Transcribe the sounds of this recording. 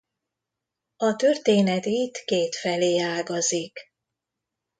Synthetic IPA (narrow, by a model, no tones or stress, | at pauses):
ɒt̪ø̞rt̪eːnɛt̪it̪keːt̪fɛleːaːlɡɒzik